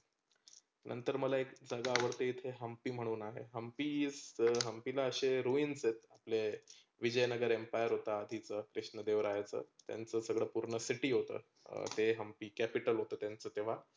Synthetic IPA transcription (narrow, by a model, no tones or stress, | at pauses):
nʔə̰nt̪əɾməlaekd͡zəɡaːʋəɾt̪eit̪ʰeɦəmpiːm̤əɽ̃uːnaɦḛɦəmpiːd͡zɦəmpilaəɕeɾuiːnset̪̚aple | ʋid͡ʑəjnəɡəɾempajəɾɦot̪aːd̪ʱit͡səkɾiʂɳəd̪eʋɾajt͡sə̰ːt̪ja̰nt͡səːsəɡɭəpuɾɳəsiʈiːɦot̪ə̰ː | t̪eɦəmpiːkæpiʈəlɦot̪əːt̪jant͡səːt̪eʋ̤a